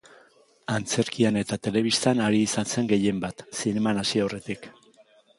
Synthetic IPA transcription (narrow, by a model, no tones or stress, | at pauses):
ant͡se̞ɾkiane̞t̪at̪e̞le̞βist̪anaɾiːsanse̞ŋɡe̞je̞mbat̪sine̞manasioawre̞t̪ik